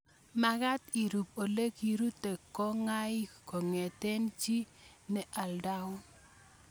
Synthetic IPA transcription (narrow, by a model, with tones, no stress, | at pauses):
ma˨ɡa˦t̪i˨ɾu˨p̚o˨le˦ki˨ɾu˦te˨kːɔ˦ŋa˦jɪ˦ko˨ŋe˨te˦nt͡ʃi˦ | nɛ˨ʔa˨lda˦ʊ˦